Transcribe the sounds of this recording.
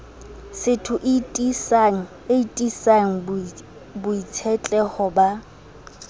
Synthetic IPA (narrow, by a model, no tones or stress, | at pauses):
sɪtʰʊʔɪtʼisŋ̩ | eitʼisaŋ̩ | bʊit͡sʰɛt͡ɬʼɛχɔba